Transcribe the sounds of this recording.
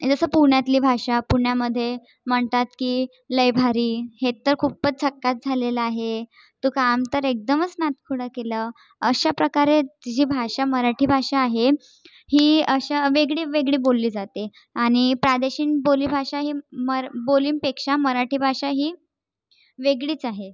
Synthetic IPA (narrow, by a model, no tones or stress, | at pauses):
d͡zəsəːpuɾɳjat̪liːbʱaʂapuɾɳjaməd̪ʱːje | m̤əɳt̪at̪kiː | ləjbʱaɾiːhet̪ːəɾkʰuːp̚pət͡s̚t͡sʰəkːat̪̚d͡zʱaleləaɦe | t̪ukamt̪əɾek̚d̪əmət͡snat̪kʰuɽəkeləː | əɕapɾəkaɾed͡ʑiːbʱaʂaməɾaʈʰiːbʱaʂaːɦe | hiːəɕaʋeɡɭiːʋeɡɭiːbolːiːd͡zat̪e | aɽ̃ipɾad̪əɕiːnboliːbʱaʂaɦiːməboliːmpekʂaməɾaʈʰiːbʱaʂaɦiː | ʋeɡɭiːt͡saɦe